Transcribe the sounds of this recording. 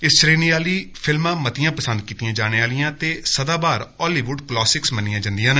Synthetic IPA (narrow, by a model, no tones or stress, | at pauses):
ɪst͡ʃɾeːniːaːliːpʰɪlmãːmət̪ɪjãːpəsənd̪̚kiːt̪ijãːd͡ʒaːɽ̃eːaːlɪjãːt̪eːsəd̪aːbaːɾɔːliːʋʊɖklɔːsɪksmənɪjãːd͡ʒãnd̪ɪjãːn